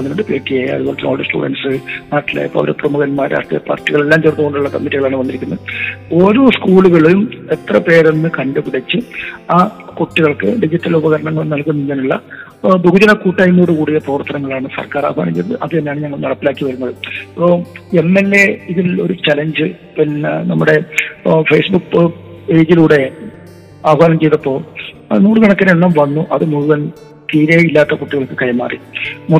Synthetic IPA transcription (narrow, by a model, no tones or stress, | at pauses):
ɐðɨɣoɳɖɨpeːʈːijaːjɐ̰ɐðɨɣoːɭkːeo̰ːɭɽsʈṵːɽɐ̰nsɨnaːʈːila̰ːjɐpːo̰ɐɾeprɐmuɣɐnmaːjɾʔa̰ːʂt̪rijɐ̰pa̰ːrtːiɣɐɭe̞lːaːmt͡ɕerunːuɣoɳɖuɭːɐkɐmːitːiɣɐɭaːɳɨʋɐnd̪iɾikʲːunːɐðɨo̞ːɾo̞ːskuːɭuɣɐɭejumet̪rɐpe̞ːɾenːɨkɐndɨpiɽɐt͡ɕːɨaːkoʈːiɣɐɭkɨɖid͡ʑitːɐlubɐɣɐɾɐɳɐŋːɐɭmnɐlkunːiɲːɐnuɭːɐ̰ | bʱuɡud͡ʑɐnɐkuːʈːaːjunuɾukuːɽijepoːɐrt̪ʰːɐnɐŋːɐɭaːɳɨsɐ̰rkaːra̰ːɐɦa̰ːnɐmt͡ɕejtɐt̪ɨʔɐðɨinːejaːɳɨɲɐŋːɐɭnɐɽɐpːilaːkːiʋɐɾunːɐðɨɐpːoemːelːe̞iðilo̞̰ɾut͡ɕɐleɲd͡ʑɨ | pinnɐmːuɽe̞feːsbukːpe̞ːd͡ʑiluːɽe̞ | aːʋɐɦaːnɐmt͡ɕe̞jt̪ɐpːo̞ː | nuːɽɨkɐɳɐkːɐnenːɐmʋɐnːuʔɐðɨmuðuɣɐn | t̪iːɾɐilːaːt̪ːɐkoʈːiɣɐɭkːɨkɐjɐmːa̰ːrḭmu